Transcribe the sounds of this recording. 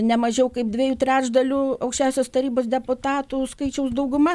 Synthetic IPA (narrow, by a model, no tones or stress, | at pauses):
nʲɛmɐʒʲɛʊkɐɪp̚d̪ʲʋʲiːjuːt̪ʲɾʲæːʒd̪ɐlʲuːɐʊkʃʲt͡ʃʲæːʊsʲoːst̪ɐɾʲiːboːsd̪ʲɛpʊt̪ɑːt̪uːskɐɪt͡ʃʲɛʊsd̪ɐʊɡʊmɐ